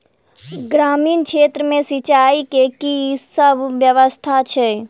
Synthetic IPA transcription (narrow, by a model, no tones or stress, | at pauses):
ɡɾaːmiːnkʃʰeːt̪ɾəmẽsit͡ʃaikekisəbʱʋjəʋəst̪ʰat͡ʃʰɛ